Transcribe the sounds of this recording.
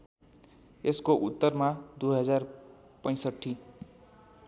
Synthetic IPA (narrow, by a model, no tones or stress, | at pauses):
eskoʔut̪ːʌrmad̪ujɦʌd͡zar | pʌj̃sʌʈʰːi